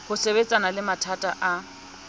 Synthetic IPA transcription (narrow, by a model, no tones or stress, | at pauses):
hʊsebet͡sʼanalɪmatʰatʼaʔa